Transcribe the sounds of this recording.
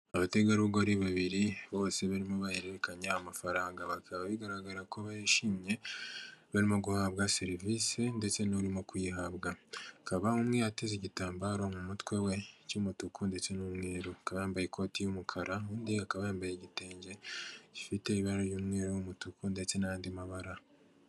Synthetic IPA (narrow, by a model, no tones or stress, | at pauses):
aβate̞ɡaɾuɡoɾiβaβiɾiβo̞ːse̞βaɾimo̞βajeɾeɾe̞kaɲeamafaɾaːŋɡaβakʰaβaβiɡaɾaɡaɾakoβajiʃimɲe̞ | βaɾimo̞ɡuhaβɡase̞ɾivisende̞t͡se̞nuɾimo̞kujihabɡakaβaumŋejateziɟitaːmbaɾo̞mumutwe̞we̞cumutukʰunde̞t͡se̞numŋeːɾoakaβajaːmbajekʰo̞ːtijumukʰaɾauːndiakaβajaːmbajeɟite̞ːɲɟe̞ɟifite̞iβaɾoɾjuːmŋeːɾojumutukunde̞t͡se̞najaːndimaβaɾa